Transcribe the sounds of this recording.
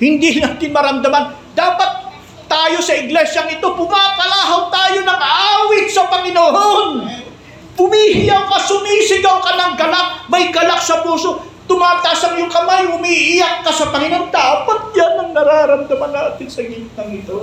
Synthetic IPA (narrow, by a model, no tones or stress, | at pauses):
hɪnd̪inaːt̪ɪnmɐɾɐmd̪ɐman | d̪aːpɐt̪̚ː | aːjo̞sɐɪɡlɛʃjɐŋɪt̪o̞pʊmakɐlaːɦawt̪aːjo̞nɐŋɐʔaːwɪt̪sɐpɐŋɪnoʔon | pʊmiːhɪjawkɐsʊmiːsɪɡɐwkɐnɐŋɡɐlak̚mɐjɡɐlak̚sɐpuːso̞ | t̪ʊmaːt̪aːsɐŋjʊŋkɐmajʊmiʔɪjak̚ːɐsɐpɐŋɪnond̪aːpɐt̪̚janɐŋnɐɾaːɾɐmd̪ɐmanːaːt̪ɪnsɐɡit̪ɐŋɪt̪o̞